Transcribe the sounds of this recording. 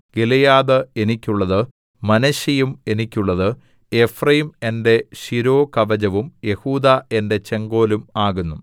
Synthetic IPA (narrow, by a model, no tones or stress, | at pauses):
ɡ̥elejaːðɐe̞nikʲːuɭːɐðɨ | mɐnɐɕɐjume̞nikʲːuɭːɐðɨ | e̞frɐjime̞nde̞ɕiɾo̞ːkɐʋɐd͡ʑɐʋumje̞huːd̪ae̞nde̞t͡ɕe̞ŋɡo̞ːlumaːɣunːu